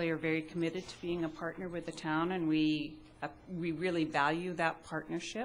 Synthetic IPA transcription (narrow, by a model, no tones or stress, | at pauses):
ðeɪə˞vɛɹikʰəmɪɾɨd̚tʰə̥biɪ̃ŋɨpʰɑɹtⁿnə˞wɨðɨtʰãʊ̃nɨ̃nwi | wiɹɪlˠivælˠjʉðət̚pʰɑɹtⁿnə˞ʃɪp